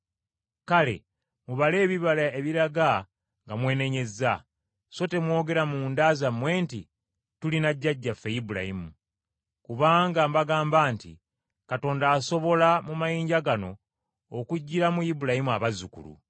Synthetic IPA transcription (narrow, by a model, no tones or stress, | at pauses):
kale̞̰ | muβale̞ːβiβalae̞βiɾaɡa | ŋɡamwe̞ːne̞ɲe̞za | so̞te̞mwo̞ːɡe̞ɾamuːndazamwe̞ːnti | tulinaɟːaɟːafe̞jibuɾa̰himu | kuβaːŋɡambaɡaːmbaːntḭ | kato̞ːndaːso̞βo̞lamumajiːɲɟaɡano̞̰ː | kuɟːiɾamujibuɾahimuaβazukṵlṵ